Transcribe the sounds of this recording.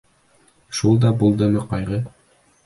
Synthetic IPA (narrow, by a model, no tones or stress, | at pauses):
ʃulˠd̪ɑbulˠd̪ɤmɤqɑjʁɤ